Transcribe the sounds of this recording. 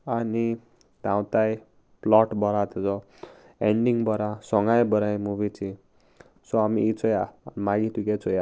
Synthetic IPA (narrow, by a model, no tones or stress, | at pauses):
ani | t̪ãw̃t̪aj | plɔʈbʌɾat̪ed͡zʌ | eɳɖiŋbʌɾasʌŋɡajbʌɾajmubit͡sʰi | soamiit͡sʰʌjamaɡit̪uket͡sʰoja